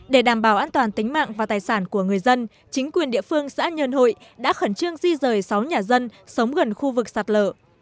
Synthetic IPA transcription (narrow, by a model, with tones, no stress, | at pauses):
ɗe˧˩ɗaː˧˩mɓaː˧˩wʔaː˧nt̪waː˨˩nt̪ï˨˦ŋ̟ma̰ː˧˨ŋvaː˨˩t̪aː˨˩jsaː˧˩nku˧˩əŋɨ˨˩əjzə˧n | t͡ɕï˨˦ŋ̟kwi˨˩ənɗḭ˧˨əfɨ˧əŋsa̰ː˧˥ɲə˧nho̰˧˨jɗa̰ː˧˥xəː˧˩nt͡ɕɨ˧əŋzi˧zəː˨˩jsa˨˦wɲaː˨˩zə˧nsə˨˦wŋ͡mɣə˨˩nxu˧vɨ˨˩k̚saː˨˩t̚ləː˧˩